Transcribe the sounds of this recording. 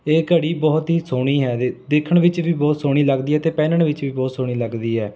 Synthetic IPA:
eːkəɽiːbɔːt̪ɦiːsoːɽ̃iːɦɛːd̪eːkʰəɳʋɪt͡ʃʋiːbɔːt̪soːɽ̃iːləɡd̪iːɛːt̪eːpɛːnəɳʋɪt͡ʃʋiːbɔːt̪soːɽ̃iːləɡd̪iːɦɛː

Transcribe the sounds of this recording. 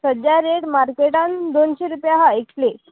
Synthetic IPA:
səd͡ʑjaɾeɽmaɾkeʈãnd̪onɕeɾupjãɦaikle

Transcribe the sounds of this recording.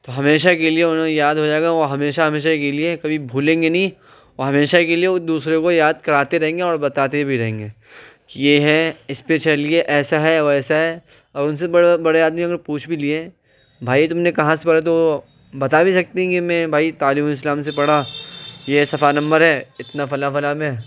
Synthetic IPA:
t̪oɦɐmeːʃakelieʊnɦõjaːd̪ɦod͡ʒaːeɡaʋoɦɐmeːʃaɦɐmeːʃakeliekɐbʱibʱuːlẽːŋɡenɐĩ | oɦɐmeːʃakelied̪uːsɾekojaːd̪̚kɐɾaːt̪eɾɐɦẽːŋɡeɔːɾbɐt̪aːt̪ebʱiɾɐɦẽːŋɡeː | kijeːɦɛɪspet͡ʃɐlieʔɛːsaɦɛʋoɛːsaɦɛ | ɔːɾʊns̬ebɐɽbɐɽejaːd̪miɐɡəɾpuːt͡ʃʰbʱiliẽ | bʱaːit̪ʊmnekɐɦãsepɐɽat̪o | bɐt̪abʱisɐk̚t̪eɦɛ̃kimɛ̃ːbʱaːit̪aːlɪmɪslaːmsepɐɽ̤ajesɐfanɐ̃mbəɾɦɛːɪt̪nafɐlafɐlamẽ

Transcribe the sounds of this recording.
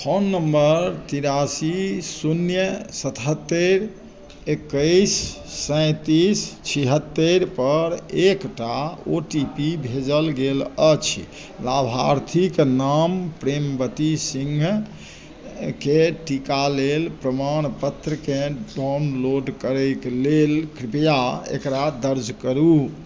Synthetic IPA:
pʰonːəmbəɾt̪iɾasisunjəsət̪ɦət̪ːəɾ | ekːəɪsː | ə̃ɪ̃t̪ist͡ʃʰiɦət̪ːəɾpəɾekʈaoʈipibʱed͡ʒəlɡelət͡ʃʰ | labʱaɾt̪ʰiknampɾembət̪isĩŋɡʱ | keʈikalelpɾəmañpət̪ːɾəkẽɖawnloɖkəɾəklelkɾipjaḛkɾad̪əɾd͡ʒʱkəɾu

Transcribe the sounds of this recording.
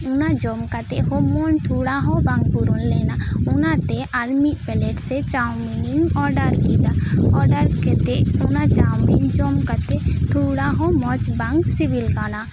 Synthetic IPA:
ʊnad͡ʒoːmkat̪eɦomoːnt̪ʰuːɽaɦobãŋɡ̚buɾunleːnaʊnat̪eʔalmipɛleʈset͡ʃaːwminiŋɡɔːɾɖəɾkid̪aɔːɾɖəɾket̪eʊnat͡ʃaːwmind͡ʒoːmkət̪et̪ʰuːɽaɦomɔt͡ʃbaŋɡsibilɡaːna

